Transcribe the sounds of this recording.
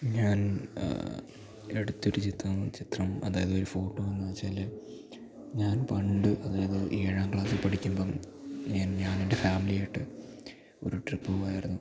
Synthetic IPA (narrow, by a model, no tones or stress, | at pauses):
ɲaːn | e̞ɽut̪ːo̞ɾut͡ɕit̪rɐmt͡ɕit̪rɐmɐ̰ðaːjɐðɨo̞ɾufo̞ːʈːoːʋɐnːɨɐt͡ɕːaːlːe | ɲaːnpɐɳɖɨʔɐðaːjɐðɨʔieɻaːŋkɭaːsɨpɐʈʰikʲːumboːɲaːnɲaːniɳde̞faːmilijajiʈːɨ | o̞̰ɾuʈripːɨʋɐjɐrnːu